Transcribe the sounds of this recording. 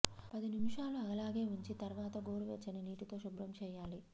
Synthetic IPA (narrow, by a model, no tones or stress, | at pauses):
pɐd̪inimuʂaːluɐlaːɡe̞ːuɲt͡ʃit̪ɐɾʋaːt̪ɐɡoːɾuʋḛːt͡ʃːɐniniːʈit̪o̞ːʃubɾɐmt͡ʃɛːjaːli